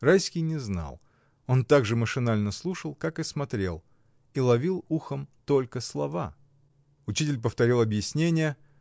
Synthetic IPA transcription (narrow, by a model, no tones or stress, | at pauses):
rajskʲɪjnʲɪzna̰lˠ | o̞nt̪aɡʐɨməʂɨnalʲnəslˠuʂəlˠkakɨsmɐt̪ɾʲe̞̰lˠ | ilˠɐvʲilˠuxəmt̪o̞lʲkəslˠɐva̰ | ʊt͡ɕitʲɪlʲp̬əft̪ɐɾʲilˠɐbjɪsʲnʲenʲɪjə